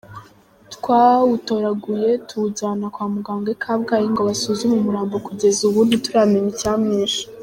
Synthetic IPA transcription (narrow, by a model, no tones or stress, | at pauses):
tkwaːwuto̞ɾaɡuje̞tʰuzanakwaːmuɡaːŋɡekʰabɡajiŋɡoβasuzumumuɾaːmbokuɟe̞zuβuːndituɾameɲicaːmŋeːʃḁ